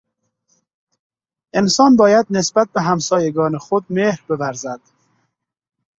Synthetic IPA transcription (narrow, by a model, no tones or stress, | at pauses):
ɪnsɒːnbɒːjad̪nɪsbat̪̚bæɦamsɑːjeɡɒːneχod̪̚mehɾbɪvaɾzad̪̥